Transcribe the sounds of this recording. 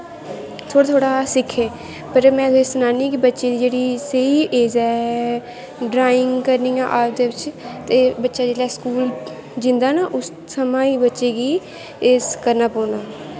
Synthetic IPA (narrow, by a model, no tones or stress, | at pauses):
t̪ʰoːɽaːt̪ʰoːɽaːsɪkʰːeː | pəɾmɛ̃ːt̪ːesʊnaːniːk̬ibətːʃeːd̪iːd͡ʒeːɽiːsəiːʔeːzɛː | ɖɾaːɪŋɡkəɾniːjãːʔaːp̚d̪eːʋɪt͡ʃt̪eːbətːʃaːd͡ʒeːɽaɛːskuːl | d͡ʒɪnd̪aːnaːʔʊs | səmãːiːbətːʃeːɡiː | eːskəɾnaːpɔːnaː